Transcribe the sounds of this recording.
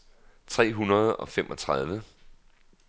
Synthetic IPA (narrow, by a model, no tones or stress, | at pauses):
t͡sʰʁɛ̰ːɦunɐð̞ˠɒ̽fem̰ʔɒ̽t͡sʰʁɑðˠʋə